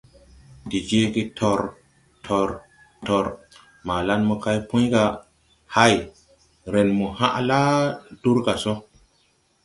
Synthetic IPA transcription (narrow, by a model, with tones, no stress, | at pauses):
di˨d͡ʒe˦ɡi˦tʰo˨ɾ | tʰɔ˨ɾ | tɔ˨ɾ | ma˨la˦nmɔ˦ka˦jpũ˦jɡa˨ | ha˦j | ɾe˨nmu˨ha˦ʔla˦d̥u˦ɾka˨so˦